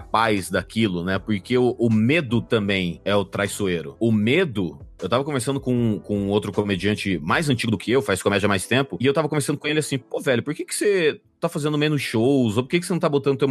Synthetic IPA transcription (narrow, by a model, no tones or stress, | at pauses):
apajzd̪akʰilʊnɛpoɾkeʊʔʊmed̪ʊt̪ɐ̃mbẽj̃ɛʊt̪ɾajsoeɾʊ̰ʊmed̪ʊewt̪avɐkõveɾsɐ̃nd̪ʊkõkõũowt̪ɾʊkomed͡ʒiɐ̃nt͡ʃɪmajzɐ̃t͡ʃiɡʊd̪ʊkʰɪewfajskomɛd͡ʒɐmajst̪ẽmpʊɪewt̪avɐkõveɾsɐ̃nd̪ʊkõelɪasĩpovɛʎʊpoɾkekɪ̥se | t̪afazẽnd̪ʊmẽnʊsʃowzopoɾkekɪsenɐ̃t̪abot̪ɐ̃nd̪ʊt̪ew